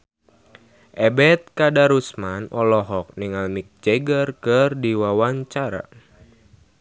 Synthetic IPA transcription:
ʔɛbɛt̪̚kadaɾusmanɔlɔɦɔk̚niŋalmik̚d͡ʒɛɡərkərdiwawaɲt͡ʃaɾa̰

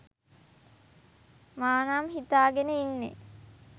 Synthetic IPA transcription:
maːnaːmɦit̪aːɡenəinːḛ

